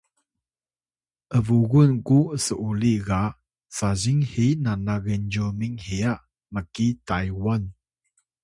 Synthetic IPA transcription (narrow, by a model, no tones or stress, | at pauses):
ʔəvuɣunkuəsəʔuliɣa | saziŋhinanaɣɛnd͡ʒumiŋheja | məkitajwan